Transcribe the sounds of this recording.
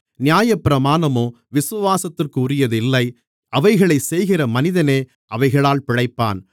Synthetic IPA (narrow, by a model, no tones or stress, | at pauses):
nɪjaːjɐpːɪɾɐmaːnɐmoː | ʋɪsʊʋaːsɐt̪ːɪrkɯʊrɪjɐðɪlːɐɪ | ɐʋɐɪɣɐɭɐɪsɛjɣɪrɐmɐnɪðɐneː | ʔɐʋɐɪɣɐɭaːlpɪɽɐɪpːa̰ːn